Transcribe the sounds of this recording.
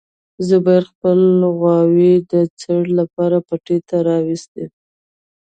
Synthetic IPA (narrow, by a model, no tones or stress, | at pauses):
zəbɑjaɾxpəlɣwɑwid̪ət͡səɽlapɑɾapaʈet̪aɾɑwist̪e